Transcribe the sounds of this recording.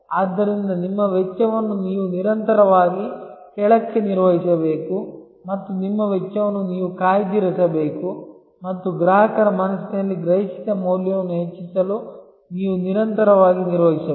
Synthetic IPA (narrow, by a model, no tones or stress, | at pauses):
aːd̪ːɐɾind̪ɐnimːɐʋɛt͡ʃːɐʋɐnːuniːʋuniɾɐnt̪ɐɾɐʋaːɡikɛɭɐkːeniɾʋɐɦisɐbe̞ːku | mɐt̪ːunimːɐʋɛt͡ʃːɐʋɐnːuniːʋukaːjd̪iɾɐsɐbeːku | mɐt̪ːuɡɾaːɦɐkɐɾɐmɐnɐsinɐlːiɡɾɐɦiʃi̥k̪ɐmoːljɐʋɐnːuɦet͡ʃːisɐlu | niːʋuniɾɐnt̪ɐɾɐʋaːɡiniɾʋɐɦisɐ